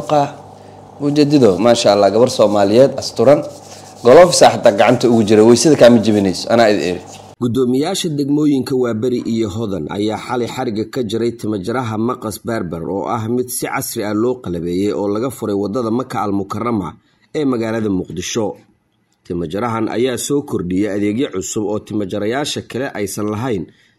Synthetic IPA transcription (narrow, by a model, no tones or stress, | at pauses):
qɑ | mʊd͡ʒɛd̪ɐðɔmaːʃaɐlːaːɡɐβɐrsɔːmaːlɪjɛːd̪ɐst̪ʰʊɾɐn | ɡɔlɔːfsaːħɑt̪ʰːaːɡɑʕɑnt̪ʰɐʊɣʊt͡ʃɪɾɛwɛjsɪðɐkʰaːmɐd͡ʒɪβɪnɛjsɔʔɐnaːɪd̪ɛ̰ɾɪ | ɡ̥ʊd̪ɔːmɪjaːʃɐd̪ɛɡmɔːjɪŋkʰɐwaːbɐɾɪʔijɔɦɔðɐnʔɐ̰jaːħɑlɪjħɑɾɪɣɐkʰɐt͡ʃɪɾɛjt̪ʰɪmɐt͡ʃɐɾɐɦɐmɐqɐsbɐrbɐrɔ̰ːʔɐɦmɪd̪sɪʕɑsrɪɐlɔːqɑlɐβɛːjɛjɔːlɐɣɐfʊɾɛjwɑd̪ɐðɐmɐkʰɐɐlmʊkʰɐrɐmɐ̰ | ɛːmɐɣaːlɐðɐmʊqd̪ɪʃɔ | t̪ʰɪmɐt͡ʃɐɾɐɦɐnʔɐ̰jaːsɔːkʰɔrɖɪjɛjɐðɛːɡjɛʕʊsʊbɔːt̪ʰɪmɐt͡ʃɐɾɐjaːʃɐkʰɐlɛʔɛjsɐnlɐɦɛjn